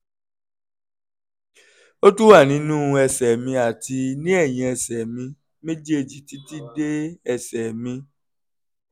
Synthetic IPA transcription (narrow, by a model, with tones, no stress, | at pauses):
o˦tu˦wa˦˨nĩ˨˦nũ˦˧ɛ˧sɛ˨mĩ˧a˨ti˧nĩ˦ɛ˦˨jĩ˧ɛ˧sɛ˨mĩ˧ | mẽ˦d͡ʒe˦e˦˨d͡ʒi˨ti˦ti˦de˦ɛ˧sɛ˨mĩ˧